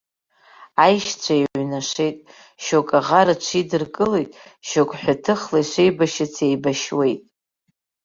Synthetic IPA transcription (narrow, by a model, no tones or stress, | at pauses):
ajʃt͡sʷʰaiʕʕʷnaʂe̞jtʼ | ʃokʼaʁaɾat͡ʃʷʰidɨrkʼɨlejtʼʃokʼħʷᶣatʰɨχlajʃʷejbaʃɪt͡sʰejbaʃwe̞jtʼ